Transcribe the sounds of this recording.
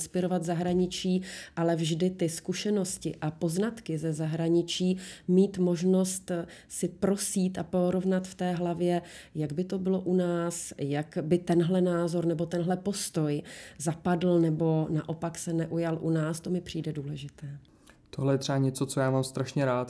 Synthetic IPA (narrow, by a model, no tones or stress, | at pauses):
nspɪɾo̞vad̪zaɦɾaɲɪt͡ʃiːʔalɛvʒdɪt̪ɪskuʃɛno̞scɪʔapo̞znat̪kɪzɛzaɦɾaɲɪt͡ʃiːmiːt̪mo̞ʒno̞st̪ | sɪpɾo̞siːt̪apo̞ɾovnat̪ft̪ɛːɦlavjɛjaɡbɪt̪o̞bɪlo̞ʔunaːsjakbɪt̪ɛnɦlɛnaːzo̞ɾnɛbo̞t̪ɛnɦlɛpo̞st̪o̞jzapadl̩nɛbo̞na̰ʔo̞paksɛnɛʔujalʔunaːst̪o̞mɪpr̝̥iːdɛduːlɛʒɪt̪ɛː | t̪oɦlɛjɛt̪r̥ɛaɲɛtt͡sot͡sojaːmaːmst̪ɾaʃɲɛɾaːt̪